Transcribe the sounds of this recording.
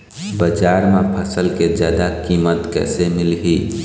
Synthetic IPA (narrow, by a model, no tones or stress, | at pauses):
bəd͡ʒaɾmepʰəsəlked͡ʒjaːd̪akimət̪kɛ̰ːsemɪlɦi